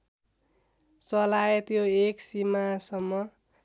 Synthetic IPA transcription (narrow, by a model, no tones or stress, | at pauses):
t͡sʌlajet̪joeksimasʌmːʌ